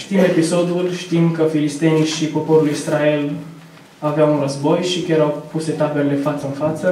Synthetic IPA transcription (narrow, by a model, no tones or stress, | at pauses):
ʃt̪ime̞piso̞d̪ulʃt̪imkəfilist̪e̞niʃipo̞po̞ɾuluisɾae̞l | aveawunrəzbo̞jʃikʲaɾawpuse̞t̪abeɾele̞fat̪səɨnfat̪sə